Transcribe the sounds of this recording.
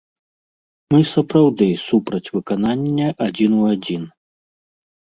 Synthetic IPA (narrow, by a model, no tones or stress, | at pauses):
mɨsɐpɾawd̪ɨsupɾɐt͡sʲvɨkananʲːɐʔad͡zʲinuad͡zʲin